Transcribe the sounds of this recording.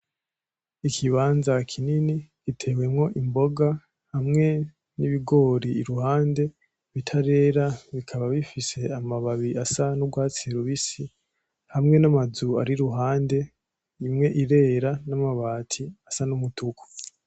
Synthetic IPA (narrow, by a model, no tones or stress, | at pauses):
ikʰiβaːnzakʰininikitʰe̞we̞mŋo̞ʔimbo̞ɡa | hamŋe̞ | niβiɡo̞ːɾiːɾuhaːnde̞ | βitʰaɾe̞ːɾaβikʰaβaβifise̞amaβaβiasanuɡwaːt͡siɾuβisi | hamŋe̞namazua̰ɾiɾuɦaːnde̞ | imŋe̞ʔiɾe̞ːɾanamaβaːtʰiasanumutʰukʰo̥